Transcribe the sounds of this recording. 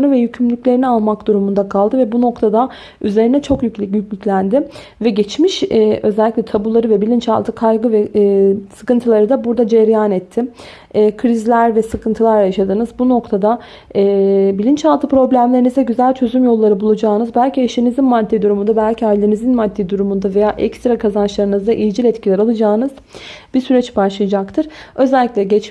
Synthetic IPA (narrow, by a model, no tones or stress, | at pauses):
nɯvɛjycʰymlʲyclʲe̞ɾinialˠmakd̪uɾumund̪akʰalˠd̪ɯvɛbuno̞kt̪ʰad̪a | yze̞ɾinɛt͡ʃʰo̞kjycʲlʲicjycʲlʲycʲlʲænd̪ɪ | vɛɟɛt͡ʃmiʃɛʔø̞zɛlʲːiclʲɛt̪ʰabulˠaɾɯvɛbilʲint͡ʃa̰lˠt̪ʰɯkʰajɡɯvɛsɯ̥kɯnt̪ʰɯlˠaɾɯd̪abuɾd̪ad͡ʒɛɾjaːnɛt̪ʰːɪː | kʰɾizlʲæɾvɛsɯkʰɯnt̪ʰɯlˠaɾjaʃad̪ɯnɯzbuno̞kt̪ʰad̪a | ɛːbilʲint͡ʃalˠt̪ʰɯpɾo̞blʲæmlʲeɾinizɛɟyzælʲt͡ʃʰø̞zymjo̞lˠːaɾɯbulˠad͡ʒaːnɯzbælʲcieʃinizinmad̪ːid̪uɾumund̪abælʲcʰialʲinizinmad̪ːiːd̪uɾumund̪ave̞jaːʔɛkst̪ɾakʰazanʃlˠaɾɯnɯzd̪aʔijid͡ʒilʲɛt̪cʰilʲɛɾalˠad͡ʒaːnɯz̥ | b̥isyɾɛt͡ʃbaʃlˠɯjad͡ʒakt̪ʰɯɾ̥ø̞zɛlʲːiclʲɛɟɛt͡ʃ